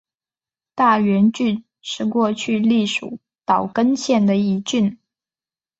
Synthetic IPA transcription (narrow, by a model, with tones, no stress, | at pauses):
t̪a˥˩ɥɛ˧˥nt͡ɕy˥˧n | ʂɻ̩˥˧kwɔ˥˧t͡ɕʰy˥˧li˥˩ʂu˨˩˦ | t̪ɑ˨˩ʊkə˥nɕjɛ˥˩nd̪ə˩i˧˥t͡ɕy˥˩n